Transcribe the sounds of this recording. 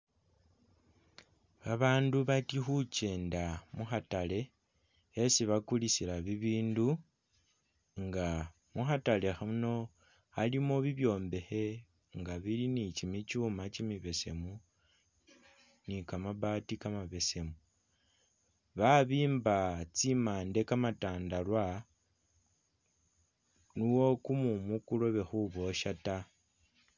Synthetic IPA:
aβaːnduβatixuce̞ːndamuxatale̞ | esiβakulisilaβiβiːndu | ŋɡa | muxatale̞xauno̞ | alimo̞βiβjo̞ːmbe̞xe̞ | ŋɡaβilinicimit͡ʃuːmat͡ʃimiβe̞se̞mu | nikamaβaːtikamaβe̞se̞mu | βaβiːmbat͡simaːnde̞kamataːndalwa | nuwo̞kumumukulo̞βe̞xuβo̞ʃata

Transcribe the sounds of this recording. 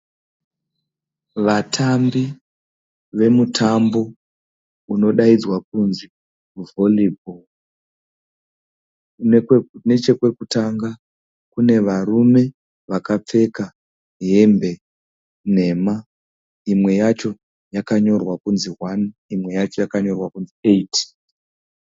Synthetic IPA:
ʋatʰambi | ʋe̞mutʰambo̞ | uno̞ɗaid͡zwak̚unzi | uvolibo | ne̞t͡ʃe̞kwe̞kutaŋɡa | kune̞ʋarume̞ | ʋakap͡fe̞ka | ɦe̞mbe̞ | ne̞ma | imwe̞jat͡ʃo̞ | jakaɲo̞rwakunziɦwanimwe̞jat͡ʃo̞jakaɲo̞rwakunzieitʰi̥

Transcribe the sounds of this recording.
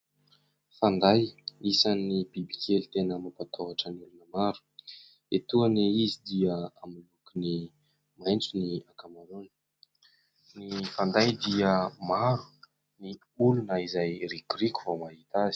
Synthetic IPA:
fand̪ajisanːibiblikelit̪enəmapat̪ʰoaʈ͡ʂəniulunəmaɾu̥ | et̪uəneizid̪iəamilukuni | majnt͡suniakamaɾoni̥ | nifand̪ajd̪iəmaɾu̥ | ni | ulunəizajrikuriku̥vomaɦit̪azi̥

